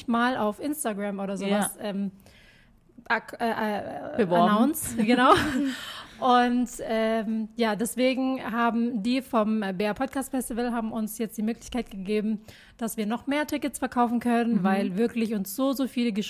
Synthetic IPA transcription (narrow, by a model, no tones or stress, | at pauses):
çmaːlʔaʊfʔɪnstaɡʁamʔoːɾɐzoːvasʔɛːm | ʔʔɛːʔəvanaʊnt͡sɡ̥ənaʊ | ʔʊntʔɛmjaːdɛsv̥eːɡŋ̩ɦaːbm̩diːfɔmbeːɐpʰɔt̚kʰaːstfɛstivəlɦaːbm̩ʔʊnsjɛt͡std̥iːmøːklɪçkaɪtɡ̥əɡeːbm̩ | d̥asv̥iːɐnɔχmeːɐtʰɪkətsfɛɐkʰaʊfn̩kʰœnənvaɪlvɪɐklɪçʊnsz̥oːzoːfiːləɡəʃ